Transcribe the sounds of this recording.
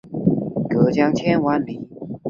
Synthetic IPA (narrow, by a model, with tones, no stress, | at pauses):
kɤ˨˧˦t͡ɕjɑ˥ŋt͡ɕʰjɛ˥nwa˧˦˥nli˨˩˦